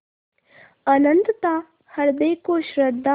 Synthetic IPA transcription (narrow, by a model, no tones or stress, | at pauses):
ɐnənt̪t̪a | hɐɾd̪əjkoːʃɾɐd̪ʱːa